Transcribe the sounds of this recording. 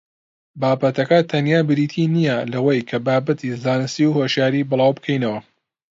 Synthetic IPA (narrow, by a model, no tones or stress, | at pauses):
baːbɐt̪ʰɐkɐt̪ʰɐnjaːbɨɾiːt̪ʰinijɐlɐwɐjkʰɐbaːbɐt̪ʰizaːnɨst̪iwhoʃjaːɾibɨlˠaːwbɨkʰɐjnɐwɐ